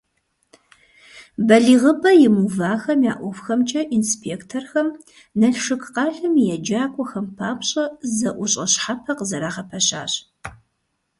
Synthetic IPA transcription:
bɐɮiːʁəbɐjɪmuvaːxɐmja̰ːʔʷɔfxɐmt͡ʃʼɐʔinspʰeːktʰorxɐm | nɐɬʂɨkqɑːɮɨmjɛd͡ʒaːkʷʼɔxɐmpʰaːpʰɕʼɐzɐʔʷʊɕʼɐɕħapʰɐqəzɐɾaːʁɐpʰɐɕa̰ːɕ

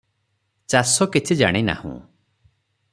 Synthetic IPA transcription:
t͡ʃasɔkit͡ʃʰid͡ʒa̰ɽ̃ina̰hṵ̃

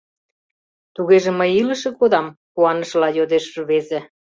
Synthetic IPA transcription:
t̪uɣeʒĕməjilə̆ʃĕkod̪ɑmkuɑnɤ̆ʃlɑjod̪eʃʒuβezĕ

